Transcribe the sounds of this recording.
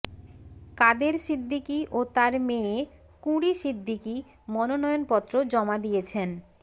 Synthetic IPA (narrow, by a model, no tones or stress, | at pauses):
kad̪eɾsid̪ʱːikiʔot̪aɾme | kuɽiʃid̪ʱːiki | mɔnonɔjonpɔt̪ːɾod͡ʑɔmad̪ijet͡ɕʰen